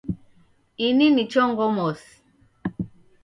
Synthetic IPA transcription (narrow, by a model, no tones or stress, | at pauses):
ininit͡ʃɔŋɡɔmɔsi̥